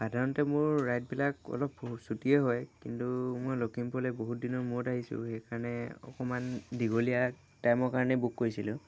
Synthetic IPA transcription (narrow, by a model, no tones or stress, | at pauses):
pʰadʱaɹɔntɛmʊɹːajt̚bilakɔ̰lɔpːousutiɛɦɔjkintumojlokimpɔlɛboɦut̚dinɔɹmʊtaɦisʊ̰xɛjkaɹɔnɛɔ̰kɔmandiɡolija | tajmɔɹkaɹɔnɛbukːoɹisilʊ